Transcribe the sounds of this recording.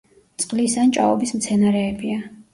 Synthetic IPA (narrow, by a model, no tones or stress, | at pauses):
t̪sʼqʼlisant͡ʃʼa̰ɔbismt̪sʰɛnaɾɛːbia